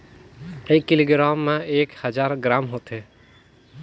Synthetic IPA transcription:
eːkːɪloːɡɾaːmːẽeːkhəd͡ʒaːɾɡɾaːmɦoːt̪ɦeː

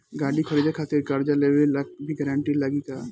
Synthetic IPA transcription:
ɡaːɽikʰɐɾid̪ʱekʰaːt̪ɪɾkɐɾd͡ʒaleʋelɐɡbʱiɡɛɾãːɳʈilɐɡika

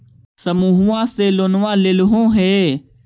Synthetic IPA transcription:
səmuːɦuːãːseːloːnʋãːlɪlɦõːɦeː

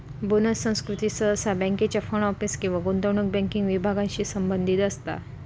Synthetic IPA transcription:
bunəsːə̃w̃skɾut̪isəəsabɛ̃ŋket͡ɕafəɳɔfiskĩw̃ʋaɡont̪əwɳuk̚bɛ̃ŋkiŋɡʋibʱaɡãɲɕiːsəmbənd̪ʱit̪əst̪a̰

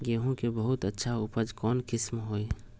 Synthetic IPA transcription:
ɡeːɦõkebəɦʊt̪ətːʃʰaʊpəd͡ʒkɔːnkɪsmɦoːe

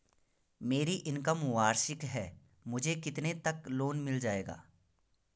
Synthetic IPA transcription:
meːɾiʔɪnkamʊaːɾʃɪkɦɛː | mʊd͡ʒʱekɪt̪net̪ɐkloːnmɪld͡ʒaːeːɡa̰ː

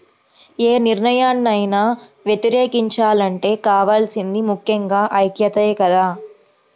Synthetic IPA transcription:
eːniɾɳɐjaːnːɐjnaːʋjet̪iɾeːkiɲt͡ʃaːlɐɳʈe̞ːkaːʋaːlsind̪imukʰjɐŋɡaːʔɐjkjɐt̪ɐekɐd̪aː

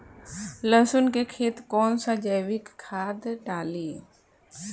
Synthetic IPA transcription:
ləsʊnkekʰeːt̪kɔːnsad͡ʒəjʋɪkkʰːaːd̪ɖaːli

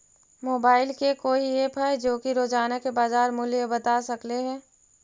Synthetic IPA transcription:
moːbaːɪlkekoːiepʰajd͡ʒoːkiɾoːd͡ʒaːnakebaːzaːɾmʊljebɐt̪aːsɐkleɦɛ̃ː

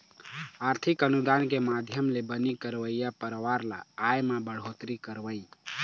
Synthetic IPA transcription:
aɾt̪ʰikənud̪ankemad̪ʱjəmlebənikəɾʋəijapəɾʋaɾla̰ːjmabəɽ̤ot̪ɾikəɾʋəi

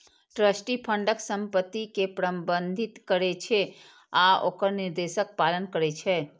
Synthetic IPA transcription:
ʈɾəsʈipʰəɳɖəksə̃mpət̪ːikepɾəmbənd̪ʱit̪kəɾet͡ʃʰɛ | aokəɾniɾd̪esək̚palənkəɾɛt͡ʃʰɛ

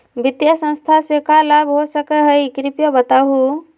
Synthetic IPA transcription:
bɪt̪jəsə̃nst̪ʰasekalabɦosəkəɦəjkɾipjɔbət̪aɦu

